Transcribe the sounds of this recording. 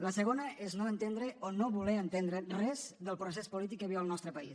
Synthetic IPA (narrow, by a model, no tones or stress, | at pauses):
ləsəɣonəʔeznoənt̪end̪ɾəonoβulɛənt̪end̪ɾərɛzðəlˠpɾosɛspulit̪ikːəβiəlˠnɔst̪ɾəpɐis